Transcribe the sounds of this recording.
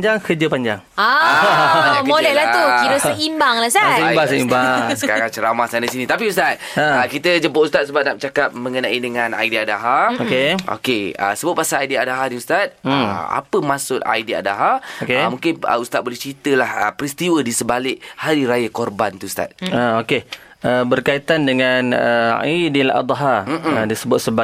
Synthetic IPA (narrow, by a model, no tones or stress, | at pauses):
d͡ʒaŋkəd͡ʒəpaɲd͡ʒaŋaakmolɛhlaht̪ukinəsaimbaŋlasabasaimbasəkaɾaŋt͡ʃəɾamasandasinĩt̪apiust̪at̪̚əəkit̪əd͡ʒəpoʔust̪at̪̚səbat̪̚nap̚t͡ʃakap̚mə̃ŋənãidəŋãna̰jdiadaɦaokeo̰keə̰səbʊp̚pasalajdiadaɦadiust̪at̪̚a̰pəmãsʊt̪̚a̰idia̰da̰ɦaokemũŋkɪnə̰ust̪at̪̚bolɛht͡ʃit̪əlahəpɾist̪iwədisəbalɪʔhaɾiɾajakorbant̪uust̪a̰t̪̚aoke | əbərkait̪andəŋanəa̰idila̰d̪ˤɦam̩m̩adisəbʊt̪̚səba